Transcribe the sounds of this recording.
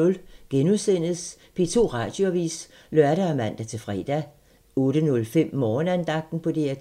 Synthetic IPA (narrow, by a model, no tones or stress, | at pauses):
ɔ̽lɡ̥enuðˠsen̰ð̩spʰe̝t͡sʰo̝̰ːʁɑ̰̈ːd̥jo̝æʋḭːs | lɶɐɾ̥æɒmæn̰d̥æt͡sʰe̝fʁɛ̰ːd̥æ | ɔːɾ̥ənɔ̽lfem̰mɒːnænd̥ɑ̈ɡ̥̚d̥n̩pʰɒ̽d̥eæ